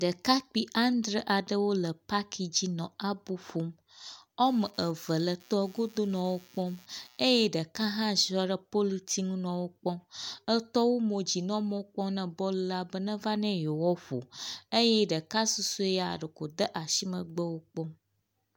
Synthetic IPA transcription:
ɖə˨ka˦k͡pi˦ʔa˦n˦d̪ɾə˦ʔa˨ɖə˦wo˦lə˨pa˦kʰi˨d͡ʑi˦nɔ̃˨a˦bu˦ɸo˦m | ɔ˦mə˨ʔə˨və˨lə˨t̪ɔ˦ɡo˦d̪o˦nɔ̃˨wo˦k͡pɔ˦me˦jɛ˦ɖə˨kã˦ɦã˦zɔ˦ɖə˨po˦li˦t̪ʰi˦ŋũ˦nɔ̃˨wo˦k͡pɔ̃˦ə˦t̪ɔ˦wo˦mõ˨d͡ʑi˨nɔ̃˦mɔ̃˦k͡pɔ̃˦nɛ̃˨bɔ˦lu˦la˦bə˦nə̃˦va˦nɛ̃˦jo˨wɔ˦ɸo̰˨e˦jɛ˦ɖə˨ka˦su˦su˦e˦ja̰˨ɖə˨ko˨d̪ə˦ʔa˨si˦mə̃˨ɡ͡bə˦wo˦k͡pɔ˦m

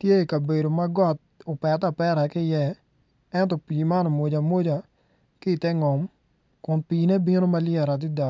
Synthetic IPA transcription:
tje˦i˨ka˨be˨do˨ma˦ɡɔ˦t̚o˨pɛ˨ta˨pɛ˦ɾa˨kɪ˦jɛ˦ | ɛ˦ntɔ˨piː˨ma˦no˨mo˨d͡ʒa˨mo˦d͡ʒa˨ | kɪ˦˨tɛ˦ŋɔ˨m | kʊ˨npiː˨ne˦bi˦no˦ma˦lɪɛ˨ɾa˨t̬ɪ˦da˨

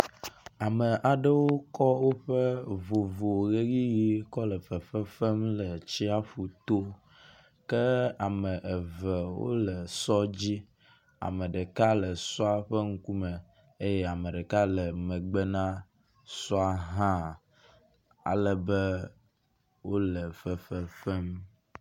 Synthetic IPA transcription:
a˨mə˨ʔa˨ɖə˦wo˦kɔ˦wo˦ɸə˦vo˨vo˨ɣe˦ɣi˦ji˦kɔ˦lə˨fə˨fə˦fə˦mlə˨t͡ɕi˦a˦fu˨t̪o˦ | kə˦a˨mə̃˨ʔə˨və˨wo̰˦lə˨sɔ˦d͡ʑi˦ | a̰˨mə̃˨ɖə˨ka˦lə˨sɔ˦a˨ɸə˦ŋ̩˦ku˦mə˨ | e˦jɛ˦a˨mə˨ɖə˨ka˦lə˨mə̃˨ɡ͡bə˦nã˦ | sɔ˦a˦ɦã˦ | a̰˨lə˨bə˦ | wo˦lə˨fə˨fə˦fɛ˦m

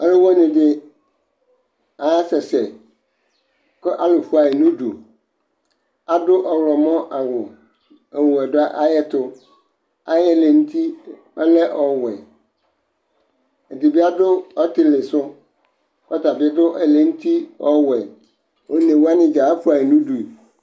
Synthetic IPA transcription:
ɔ˦lʊ˦wɔ˦nɪ̃˨dɪ˦ | a˨˦sɛ˨sɛ˨ | kɔ˦ʔa˦lʊ˨fʊ˦a˨ɪ˨nʊ̃˦du˨ | a˨dʊ˦ʔɔ˨wɔ˨mɔ̃˦ʔa˨wʊ˨ | ɛ˨wʊ˨ɛ˨dʊ˦a˦ʔa˦jɛ˦tʰʊ˦ | a˦jɛ˦lɛ˨n̩˦t̪ʰi˦ | ɛ˦lɛ˦ʔɔ˨wɛ˨ | e˨di˨bi˦a˦dʊ˦ɔ˦tɪ˨lɪ˨sʊ˦ | kɔ˦ta˨bɪ˦dʊ˦ʔɛ˨lɛ˨n̩˦t̪ʰi˦ɔ˦wɛ˨ | o˨nẽ˨wu˦a˦nɪ̃˦d͡ʒa˨˦fʊ˦a˨ɪ˨nũ˦du˨

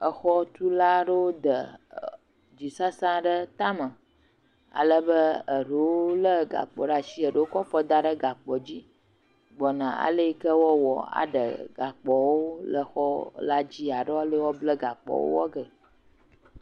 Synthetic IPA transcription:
ə˨xɔ˦t̪u˦la˦ɖə˦wo˦d̪ə˨ | d͡ʑi˨sa˦sã˦ɖə˦t̪a˦mə˨ | a̰˨lə˦bə˦ə˨ɖə˨wo˦lə˦ɡa̰˨k͡pɔ̰˨ɖa˦t͡ʃi˦ə˨ɖə˦wo˦kɔ˦fɔ˦d̪a˦ɖə˦ɡa˨k͡pɔ˨d͡ʑi˦ | ɡ͡bɔ˨nã˨a̰˨lə˦i˦kə˦wɔ˦wɔ̰˨a̰˨ɖə̰˨ɡa˨k͡pɔ˨wo˦lə˦xɔ˦la˦d͡ʑi˦a˨ɖə˦wɔ˦lə˦wɔ˦blə˦ɡa˨k͡pɔ̰˨wo̰˦wɔ̰˦ɡə˨

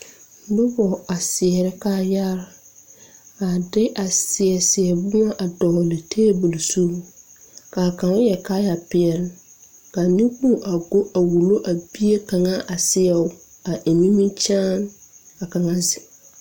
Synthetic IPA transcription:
bʊ˦bɔ˨a˨sɪ˨ɛ˨ɾɪ˦kaː˦ja˦ɾa˨ | a˨dɪ˦ʔa˨sɪ˨ɛ˨sɪ˨ɛ˨bʊ˦ŋa˦ʔa˨dɔː˨lɪ˨tʰeː˦bu˨lsu˦ | kaː˨ka˨˦jɛ˨ka˦ja˨pɪ˨ɛ˨lɪ˦ | ka˨nĩ˦k͡pu˦˨ʔa˨ɡo˦ʔa˨wu˨lo˦ʔa˨bi˦e˦ka˨ŋa˦ʔa˨sɪ˦ɛ˦˨ʊ˦ | a˨ʔe˨mi˦mĩ˦t͡ʃaː˦n | a˨ka˨ŋa˦zɪ˨

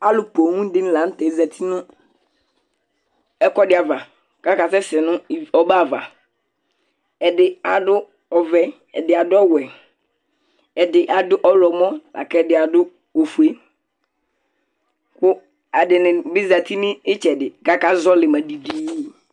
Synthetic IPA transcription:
a˦lʊ˨po˨ŋũ˦dɪ˦n˦la˨˦n̩˦tɛ˨˦za˨t̪ʰi˦nʊ̃˦ | ɛ˦kɔ˦dɪ˦a˨va˨ | ka˦ka˨sɛ˦sɛ˨nʊ̃˦˨ɔ˨ba˦˨va̰˨ | ɛ˨dɪ˨a˨dʊ˦ | ɔ˨vɛ˨ | ɛ̰˨dɪ˨a˨dʊ˦ɔ˦wɛ˨ | ɛ˨dɪ˨ʔa˨dʊ˦ʔɔ˦lɔ˨mɔ˦la̰˨kɛ˦˨dɪ˨a˨dʊ˦ | o˨fu˨e˦ | kʊ˦ | a˨dɪ˨nɪ̃˨bɪ˦za˨t̪i˦mɪ˦ɪ˦t͡ʃɛ˨dɪ˨ka˦ka˦zɔ˦lɪ˨ma˨di˨diː˦

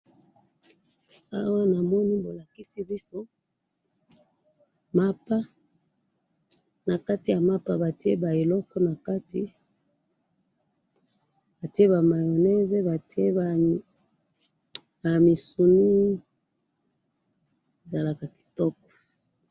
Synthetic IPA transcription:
a̰˦wa˦na˨mɔ˦ni˦bo˨la˨ki˦si˦bi˦so˦ | ma˦pa˦ | na˨ka˦ti˨ja˨ma˦pa˦ba˨ti˦e˦ba˨e˨lɔ˦kɔ˦na˨ka˦ti˨ | ba˨ti˦e˦ba˨ma˨jo˨nɛ˦ze˦ba˨te˦˨ | ba˨mi˨su˨ni˦ | e˨za˨la˨ka˨ki̥˨tɔ˦kɔ̥˨

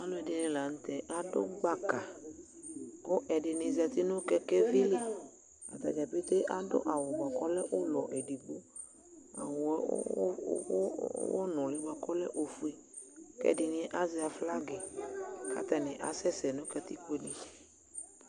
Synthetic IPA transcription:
a˨˦lo˦ɛ˨ɖe˨nĩ˨la˨ñ̩˦t̪ɛ˨ʔa˨ɖo̰˦ɡ͡ba˦˨ka˨ | wo˦ʔɛ˨ɖɪ˨nɪ̃˨zɛ˨t̪i˦nʊ̃˦kɛ˦kɛ˦vi˦li˦ | a̰˨t̪a˨d͡ʒa˨pe˦t̪e˦ʔa˨ɖo̰˦ʔa˨wo˨ɡ͡ba˨kɔ˦lɛ˦ʔo˦lɔ˨ʔe˨ɖi˨ɡ͡bu˦ | a̰˨wo̰˨˦wɔ˦nɔ̃˨li˦ɡ͡ba˨kɔ˦lɛ˦ʔo˦fu˦e˨ | kɛ̰˦ɖɪ˨nĩ˦ɛ˦ʔa˦zɛ˦a˨fla˦ɡe˨kʰa̰˨t̪ɛ˨nɛ̃˨ʔa˨sɛ˦sɛ˨nũ˦kɛ˦t̪i˦k͡pe˦ni˦

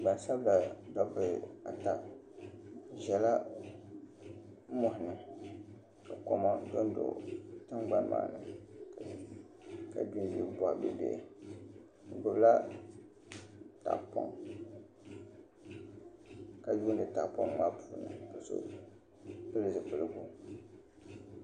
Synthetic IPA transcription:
ɡ͡ba˨nsa˦bla˨dɔ˦pɨ˨a̰˨ta˨ʔ | ʒɛ˨la˦ | mɔ˨hɪ˨nɨ˨ | ka˨ko˨ma˦do˦n˦do̰˨tɨ˦ŋɡ͡ba˦nma̰ː˨nɨ˨ | ka̰˨du˦n˦bi˦˨bɔ˨ʔbɨ˦bḛ˨ | ɡʊ˨bla˦ | ta̰˨ʔpɔ̰˦ŋ | ka˨du˦n˦dɨ˨ta˨ʔpɔ˦ŋma˦pʰuː˨nɨ̰˨bɨ˨so̰˦ | bɨ˦lɨ˨zɨ˨pɨ˨lɨ˦ɡu˨

